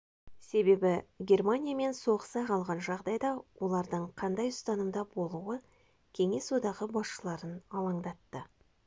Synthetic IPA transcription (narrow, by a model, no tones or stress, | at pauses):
se̞be̞bɪɡʲe̞rmanʲijame̞nso̞ʁəsɑjqʰɑlˠʁɑnʒɑʁd̪ɑjd̪ɑwʔo̞lˠɑɾd̪əɴqʰɑnd̪ɑjʊst̪ɑnəmd̪ɑbo̞lˠuwə | kʲʰe̞ŋe̞swo̞d̪ɑʁəbɑsʃəlˠɑɾənɑlˠɑɴd̪ɑt̪ːə